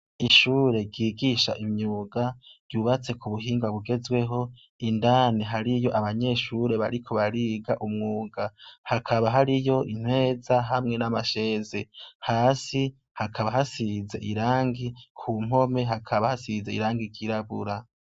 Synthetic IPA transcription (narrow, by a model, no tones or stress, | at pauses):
iʃuːɾe̞ɾɟiːɡiʃaʔimɲuːɡaɾjuːβat͡se̞kuβuɦiːŋɡwaβuɡe̞zwe̞ɦo̞ | indaːniɦaɾijo̞ʔaβaɲe̞ːʃuɾe̞βa̰ɾikʰo̞βaɾiːɡaʔumŋuːɡahakʰaβaɦaɾijo̞ʔin̥hwe̞ːzaɦamŋe̞namaʃe̞ːzehaːsi | hakʰaβahasize̞̰ʔiɾaːŋɡikʰuːm̥o̞me̞ɦakʰaβahasize̞ḭɾaːŋɡiɡiɾaβuɾa